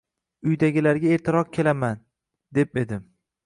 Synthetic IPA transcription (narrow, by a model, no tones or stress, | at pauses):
ʊjd̪aɡʲɪlaɾɡʲaeɾt̪ʰɪɾɒq̚kʲʰe̞laman | d̪̥e̞p̚e̞d̪ɪm